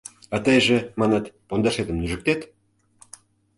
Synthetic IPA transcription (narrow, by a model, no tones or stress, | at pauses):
ɑt̪əjʒĕmɑnɑt̪pond̪ɑʃed̪ə̆mnyʒə̆k̚t̪et̪